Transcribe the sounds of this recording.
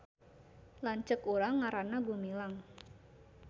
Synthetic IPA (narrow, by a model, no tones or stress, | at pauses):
laɲt͡ʃəkuɾaŋːaɾanaɡumilaŋ